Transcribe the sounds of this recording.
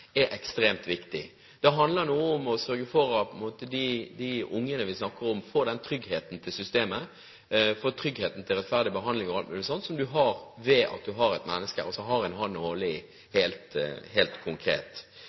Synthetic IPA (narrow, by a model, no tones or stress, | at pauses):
ɛʔɛkst̪ɾeːmt̪ʋɪkt̪ɪ | d̪̥ɛɦɑnd̪ləɾnuːəʊmɔsœɾɡəfɔɾɑpʰɔɛnmoːt̪əd̪ɪd̪ɪʊŋːənəʋɪsnɑkːəɾɔmfoːd̪ɛnt̪ʰɾʏɡheːt̪n̩t̪ʰɪlsʏst̪eːmə | foːt̪ʰɾʏɡheːt̪n̩t̪ʰɪlɾɛt̪fæʁd̪ɪbəɦɑnd̪lɪŋɔɑlt̪mʉːlɪsɔnt̪sɔmd̪ʉɦɑɾʋɛʔɑ̰t̪̚d̪ʉɦɑɾɛt̪mɛ̰nːəskə̰ɾɔsɔɦɑɾɛɪnhɑnnoːlɪ | heːlt̪heːlt̪kʰʊŋkʰɾḛːt̪